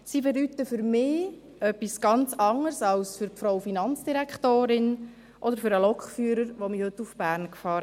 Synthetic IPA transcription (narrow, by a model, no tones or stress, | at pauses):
siːbɛdyt̪əfʏɾmɪː | œpːisɡ̥ɑnt͡sɑŋəɾsɑlsfʏɾpfɾowfinɑnt͡sd̥iɾækχtoːɾɪn | ʔɔdəɾfʏɾəlɔkχfyːɾəɾʋomihɵt̪ːufb̥æːɾnkfɑːɾ